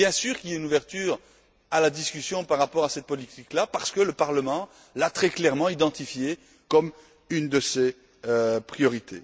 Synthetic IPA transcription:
bjɛ̃syːʁkʲiljaynuvɛʁt̪yːʁ | alad̪iskʲysjɔ̃paʁːapɔʁasɛt̪̚pɔlit̪iklapaʁsə̥kələpaʁləmɑ̃ | lat̪χɛklɛʁmɑ̃id̪ɑ̃t̪ifje | kɔm | ynd̪əse | øpχijɔʁit̪ʰḛ

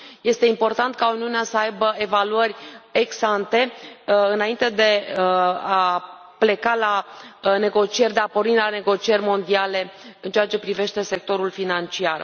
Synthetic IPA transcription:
je̞st̪e̞impo̞rt̪ant̪̚kauniuneasəajbəe̞valuərʲeɡsant̪e̞ɨnaint̪e̞d̪e̞ | a | ple̞kalane̞ɡo̞t͡ʃije̞rʲd̪e̞apoɾilane̞ɡo̞t͡ʃie̞rʲmo̞nd̪iale̞ | ɨnt͡ʃeat͡ʃe̞pɾive̞ʃt̪e̞se̞k̚t̪o̞ɾulfinant͡ʃiar

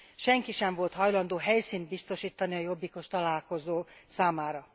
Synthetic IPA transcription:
ʃɛŋkiʃɛɱvo̞lt̪hɒjlɒnd̪oːɦɛjsiːnt̪̚bist̪o̞ʃiːt̪ːɒniɒjo̞bːiko̞ʃt̪ɒlaːlko̞zoːsaːmaːɾɒ

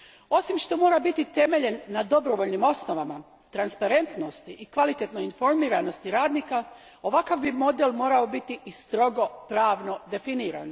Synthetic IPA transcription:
o̞simʃt̪o̞mo̞ːɾabit̪it̪e̞me̞ʎe̞nːad̪o̞bɾo̞ʋo̞ʎnimo̞sno̞ʋama | t̪ɾanspaɾe̞nt̪no̞st̪iʔikʋalit̪et̪noinfo̞ɾmiːɾano̞st̪iɾaːd̪niːka | o̞ʋakaʋbimo̞d̪elmo̞ːɾao̞bit̪iʔist̪ɾo̞ɡo̞pɾaːʋno̞d̪e̞finiːɾa̰n

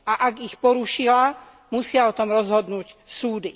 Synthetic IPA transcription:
aʔaɡixpɔɾuʃila | musɪaɔt̪ɔmɾɔzɦɔd̪nuːcsuːd̪i

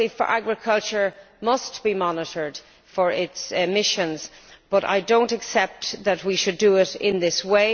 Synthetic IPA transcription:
ifə̰˞ʔæ̰ɡɹɪkʰʌlˠt͡ʃə˞ | mʌstb̥imɑnəɾə˞d̥ | fə˞ɪtsmɪʃə̃nz̥b̥ʌɾa̰ɪdõʊ̃ntɨksɛp̚tðət̚wiʃɨdəɪɾɪ̰̃nðɪsweɪ

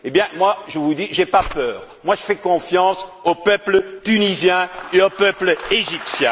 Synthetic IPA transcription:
ebjɛ̃mwaʒəvud̪iʒepapœːʁmwaʒəfɛkɔ̃fjɑ̃sopœplət̪ynizjɛ̃eopœpleʒipsjɛ̃

